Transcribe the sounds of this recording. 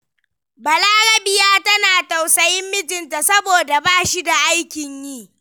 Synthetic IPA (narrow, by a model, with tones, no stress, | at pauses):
bɐ˨laː˦ɽɐ˦bɪ˦jaː˦tɐ˦naː˨ta˨wsɐ˦jɪ˦mːɪ˦d͡ʒɪ˨nta˨sɐ˦boː˨da˨baː˦ʃi˦da˨ʔa˦jkʲɪ˨ɲjiː˦˨